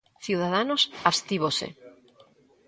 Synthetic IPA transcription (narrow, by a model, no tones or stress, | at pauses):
θjiwð̞að̞anosast̪iβosḛ